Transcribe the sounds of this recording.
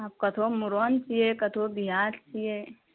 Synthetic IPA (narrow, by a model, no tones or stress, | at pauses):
ap̚kɐt̪ʰomuɾont͡ʃijekɐt̪ʰobiɦaːɾt͡ʃʰije